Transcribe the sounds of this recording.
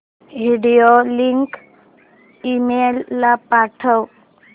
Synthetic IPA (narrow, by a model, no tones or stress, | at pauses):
ʋiɽijoliŋk | imelːapaʈʰəw